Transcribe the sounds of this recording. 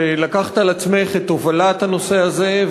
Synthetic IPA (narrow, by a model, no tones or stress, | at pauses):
elakaχt̪alat͡sme̞χet̪o̞valat̪hano̞se̞aze̞